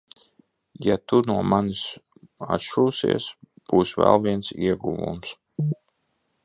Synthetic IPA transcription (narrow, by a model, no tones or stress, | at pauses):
jat̪unuɔmanis | a̰t̪ʃuːsḭɛs | b̥uːsvɛ̰lˠviɛnsiɛɡuvṵms